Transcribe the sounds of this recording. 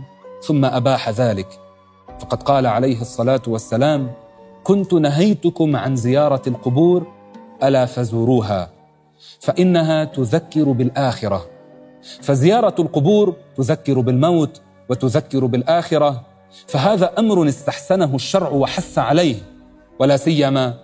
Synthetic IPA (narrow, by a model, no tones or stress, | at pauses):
θʊmːaʔabaːħaðaːlɪk | fɑqɑd̪qɑːlaʕalajɦsˤːɑlaːt̪wasːalaːmkʊnt̪ʊnaɦajt̪ʊkʊmʕanzɪjɑːɾˤɑlqʊbuːɾ | ʔalaːfazuːɾuːɦa̰ː | faʔɪnːaɦaːt̪ʊðakːɪɾbɪlʔaːxɪɾa | fazɪjɑːɾˤɑlqʊbuːɾt̪ʊðakːɪɾbɪlmawt̪ | wɪt̪ʊðakːɪɾbɪlʔaːxɪɾa | faɦaːðaːʔamɾʊnɪst̪aħsanaɦʊʃːɑɾˤʕʊwaħasːaʕalajh | walaːsɪjːamaː